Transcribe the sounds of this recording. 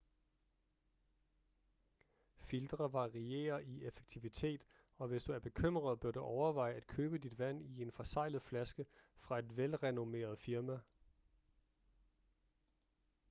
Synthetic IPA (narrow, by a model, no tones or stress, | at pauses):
fild̥ʁɐʋɑ̈ʁie̝̰ːɐiefe̥ɡ̥̚t͡sʰiʋit͡sʰe̝̰ːd̥ | ɒ̽ʋe̝sd̥uæɐb̥e̝kʰøm̰ʁɐðˠb̥ɶɐɾ̥uʔɒʊɐʋɑ̈ɪ̰æd̥̚kʰøːb̥əd̥id̥ʋæn̰ie̝nfɒ̽sɑ̈ɪ̰lð̩ˠflæsɡ̥əfʁɑ̈e̝d̥ʋelʁɛno̝me̝̰ːɐð̞̩ˠfiɐmæ